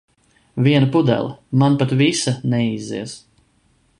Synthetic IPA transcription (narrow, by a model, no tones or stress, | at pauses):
viɛnpud̪ɛ̰lʲˠmanpat̪visanɛizḭɛs